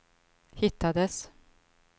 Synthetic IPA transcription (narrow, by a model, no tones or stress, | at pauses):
hɪt̪ːad̪əs